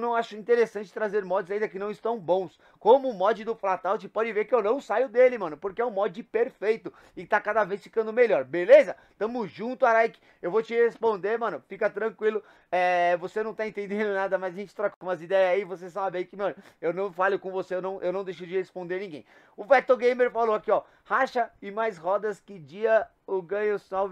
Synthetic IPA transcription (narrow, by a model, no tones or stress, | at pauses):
nɐ̃w̃aʃʊĩnt̪eɾesɐ̃nt͡ʃɪ̥t̪ɾazeɾmɔd͡ʒɪzaĩnd̪ɐkɪnɐ̃w̃ɪst̪ɐ̃w̃bõw̃s | kõmʊmɔd͡ʒɪd̪ʊflat̪awt͡ʃɪpɔd͡ʒɪveɾkɪewnɐ̃w̃sajʊd̪elɪmɐ̃nʊpoɾkɪɛʊ̃mɔd͡ʒɪpeɾfejt̪ʊ | ɪt̪akad̪ɐvesfi̥kɐ̃nd̪ʊmeʎɔɾbelezɐ | t̪ɐ̃mʊzʒũnt̪ʊaɾajkɪ̥ | ewvot͡ʃɪhespõnd̪eɾmɐ̃nʊfikɐt̪ɾɐ̃kwilʊ | ɛvosenɐ̃w̃t̪aẽnt̪ẽnd̪ẽnd̪ʊnad̪ɐmɐzɐʒẽt͡ʃt͡ʃɪ̥t̪ɾɔkũmɐzid̪ɛjɐzaivos̬esabbaikɪmɐ̃nʊewnɐ̃w̃falʊkõvoseewnɐ̃w̃ʔewnɐ̃w̃d̪ejʃʊd͡ʒɪhespõnd̪eɾnĩɡẽj̃ | ʊvɛt̪ewɡẽj̃meɾfalowakiɔ | haʃɐɪmajshɔd̪ɐskɪd͡ʒiɐ | ʊɡɐ̃ɲʊsawv